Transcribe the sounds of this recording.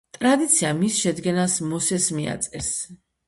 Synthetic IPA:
t̪ʼɾad̪it̪sʰiamisʃɛd̪ɡɛnasmɔsɛsmia̰t̪sʼɛs

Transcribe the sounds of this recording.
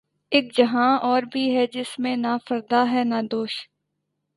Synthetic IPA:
ɪk̚d͡ʒəɦãːɔːɾbʱiːɦɛːd͡ʒɪsmẽnaːfʰəɾd̪aːɦɛːnaːd̪oːʃ

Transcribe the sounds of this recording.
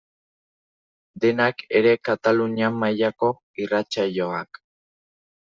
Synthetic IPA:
d̪e̞nake̞ɾe̞kat̪aluniamajako̞ | irat͡ʃaʎo̞ak

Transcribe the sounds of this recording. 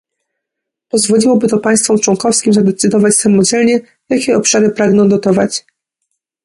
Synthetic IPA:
pɔzvɔlʲiwɔbɘt̪ɔpaj̃st̪fɔmt͡ʂwɔŋkɔfskʲimzad̪ɛt̪sɘd̪ɔvat͡ɕsamɔd͡ʑɛlɲɛ | jakʲɛɔpʂaɾɘpɾaɡnɔ̃w̃d̪ɔt̪ɔvat͡ɕ

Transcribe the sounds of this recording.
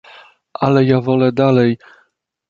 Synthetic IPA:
ʔalɛjavɔlɛd̪alɛj

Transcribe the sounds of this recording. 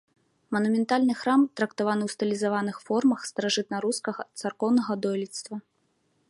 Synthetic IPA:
mɐnumʲɛnt̪alʲnɨxɾamt̪ɾɐkt̪avanɨwst̪ɨlʲizavanɨxfɔrmɐxst̪ɐɾaʐɨt̪nɐɾuskɐɣɐt̪sarkɔwnɐɣɐd̪ɔlʲit̪st̪vɐ

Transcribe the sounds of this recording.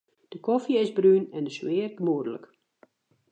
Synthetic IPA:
d̥əkɔfjəɪzbrynɛndəswɪːərɡəmuədələ̰k

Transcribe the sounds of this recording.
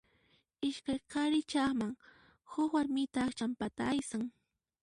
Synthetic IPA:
ɪʃkajqɑɾɪt͡ʃɑχmaŋ | hʊkwaɾmɪt̪aːkt͡ʃampat̪aːjsaŋ

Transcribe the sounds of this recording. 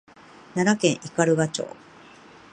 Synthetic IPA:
naɾakẽ̞ɰ̃ʔikaɾɯ̟ɡat͡ɕo̰ː

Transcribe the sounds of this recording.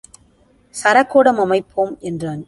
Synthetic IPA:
sɐɾɐkːoːɽɐmɐmɐɪpʰːoːmʔɛndraːn

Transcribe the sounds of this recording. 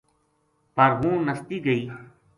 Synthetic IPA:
pəɾɦũːnəst̪iːɡəiː

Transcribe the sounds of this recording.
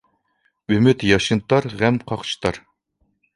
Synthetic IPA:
ymyt̪jɑʃɨnt̪ʰɑɾʁæmqʰɑχt͡ʃʰɨ̥t̪ʰɑɾ

